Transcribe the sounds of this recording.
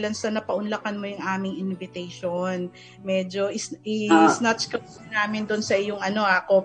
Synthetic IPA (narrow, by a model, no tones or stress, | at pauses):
lɐnsɐnɐpɐʔʊnlɐkɐnmojʊŋʔaːmɪŋɪnvɪt̪ɛjʃon | mɛːd͡ʒo̞ʔɪsʔɪsnat͡ʃkɐ | naːmɪnd̪ʊnsɐʔɪjʊŋʔɐno̞ʔako